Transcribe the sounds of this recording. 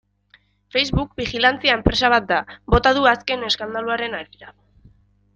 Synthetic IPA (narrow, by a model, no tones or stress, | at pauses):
fe̞jzβuk̚bixilant͡siae̞mpɾe̞saβ̞at̪̚d̪abo̞t̪aðuaske̞ne̞skand̪aluaɾe̞naɾiða